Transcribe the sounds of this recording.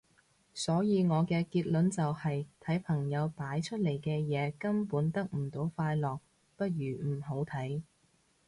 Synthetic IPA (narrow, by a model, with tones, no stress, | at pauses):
sɔː˨˥jiː˨˧ŋɔː˨˧kɛː˧kiː˧t̚lɵ˨˥nt͡sɐ˨whɐ˨jt̪ʰɐ˨˥jpʰɐ˨˩ŋjɐ˨˧wpaː˨˥jt͡ʃʰɵ˥t̚le˨˩jkɛː˧jɛː˨˧kɐ˥mpuː˨˥nt̪ɐ˥k̚m̩˨˩t̪o˨˥wfaː˧jlɔː˨k̚ | pɐ˥t̚jyː˨˩m̩˨˩ɦo˨˥wt̪ʰɐ˨˥j